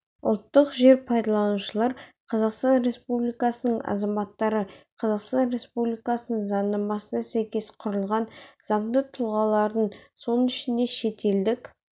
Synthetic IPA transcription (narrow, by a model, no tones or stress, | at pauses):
ʊ̰lˠt̪ːəqʒe̞ɾpʰɑjd̪ɑlˠɑnuʃəlˠɑɾqʰɑzɑqst̪ɑnɾe̞spublʲijkɑsənəɴɑ̰zɑmɑt̪ːɑɾəqʰɑzɑqst̪ɑnɾe̞spublijkɑsənəɴzɑnːɑmɑsənɑsæjkʲe̞sqʰʊɾəlˠʁɑnz̥ɑɴd̪ət̪ʰʊlˠʁɑlˠɑɾd̪əɴso̞nənɪʃɪnd̪e̞ʃe̞t̪e̞ld̪ɪk